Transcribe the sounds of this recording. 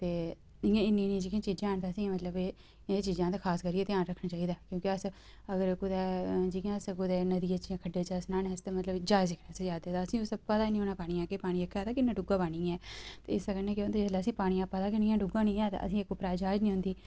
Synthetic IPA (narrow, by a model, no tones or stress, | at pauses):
t̪eː | ɪjãːɪnːĩːnĩːd͡ʒiːkiãːt͡ʃiːd͡ʒãːɳt̪aːsĩːmət̪ləbe | t͡ʃiːd͡ʒãːt̪eːkʰaːskəɾiːeːt̪eãːnɾəkʰɳaːt͡ʃaːiːd̪aːkjõːkɪəs | əɡəɾkʊd̪ɛːd͡ʒikjãːəskʊd̪eːnəd̪iːət͡ʃːiãːkʰəɖeːt͡ʃaːsnaːneːəst̪eːmət̪ləbd͡ʒaːɪzɪkʰɽeːsed͡ʒaːd̪eːt̪aːəsĩːʊsəpːət̪aːnĩːoːnãːpaːɽ̃iːãːkeːpaːɽ̃iːekʰɛaːt̪aːkɪnːãːɖʊɡãːpaːɽĩːɛːt̪ḛːɪsəɡəneːkjot̪eːd͡ʒəlaːəsĩːpaːɽ̃ĩːãːpːat̪aːkɪniːjãːɖʊɡãːnĩːɛːt̪a̰ə̰sĩekːoːpɾaːd͡ʒaːd͡ʒnĩːɦʊ̃nd̪iː